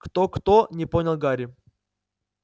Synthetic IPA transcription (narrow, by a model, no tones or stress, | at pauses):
kt̪okt̪onʲɪponʲɪlˠɡaɾʲɪ